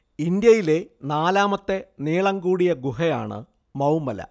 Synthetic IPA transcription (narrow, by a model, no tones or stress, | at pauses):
ind̪jɐjile̞naːlaːmɐt̪ːe̞niːɭɐŋɡuːɽijɐɡuɦɐja̰ːɳɨ̰ | mɐwmːɐlɐ̰